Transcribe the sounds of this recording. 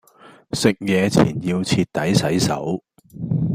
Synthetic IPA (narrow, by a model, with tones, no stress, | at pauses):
sɪ˨k̚jɛː˨˧t͡sʰḭː˨˩njiː˧wt͡sʰiː˧t̚t̪ːɐ˨˥jsɐ˨˥jsɐ̰˨˥w